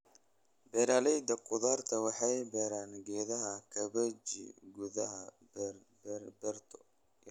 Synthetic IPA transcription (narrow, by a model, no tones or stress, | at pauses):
bɛːɾaːlɛjd̪ɐqʊðaːrt̪ʰɐwɑħɑjbɛːɾaːnɡɛːðɐɦɐkʰɐβɐt͡ʃɪ̰ɡʊðɐɦɐ | b | bɛrt̪ʰɔ